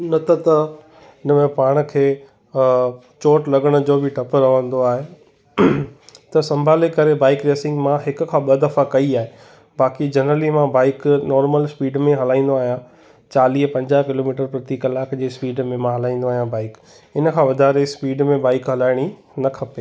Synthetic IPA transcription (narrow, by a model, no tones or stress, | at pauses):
nɐt̪ʰɐt̪ɐ | ɪnəmẽpaːɽ̃̆kʰeː | t͡ɕoːʈlɐɡəɽ̃ʊ̆d͡ʑoːbʱɪʈɐpɾɐʋə̃nd̪oaːɦe | t̪ɐsɐ̃mbʱaːlekɐɾebaːɪkɾeːsɪ̃ŋɡmãɦɪkʊ̆kʰãːɓɐd̪ɐfakɐiaːɦe | baːkid͡ʑɐnɾəlimãbaːɪknɔːɾməlspiːɖmẽɦɐlaːĩːn̆d̪oaːɦijã | t͡ɕaːliːɦpɐ̃ɲd͡ʑaːɦkɪloːmiːʈəɾpɾɐt̪ikɐlaːkd͡ʑeːspiːɖmẽmãɦɐlaːĩːn̆d̪oaːɦjãbaːɪk | ɪnə̆kʰãːʋɐd̪ʱaːɾespiːɖmẽbaːɪkɦɐlaːɪɽ̃i | nɐkʰɐpeː